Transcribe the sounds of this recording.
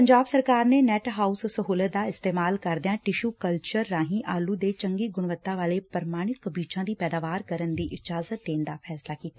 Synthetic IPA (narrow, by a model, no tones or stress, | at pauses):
pəɲd͡ʒaːbsəɾkaːɾneːnɛːʈɦaːussəɦuːlət̪̚d̪aːɪst̪eːmaːlkəɾd̪ɪjãːʈɪʃuːkəlt͡ʃəɾːãːɦĩʔaːluːd̪eːt͡ʃəŋɡiːɡʊɽ̃ʋət̪ːaʋaːleːpəɾmaːɽ̃ɪt̪̚kəbiːt͡ʃãːd̪iːpɛːd̪aːʋaːɾkəɾənd̪iːʔɪd͡ʒaːzət̪̚d̪eːnd̪aːpʰɛːslaːkiːt̪aː